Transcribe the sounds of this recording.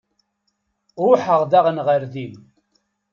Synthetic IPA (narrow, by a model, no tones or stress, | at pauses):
ʊħəʁðaʁənʁəɾðim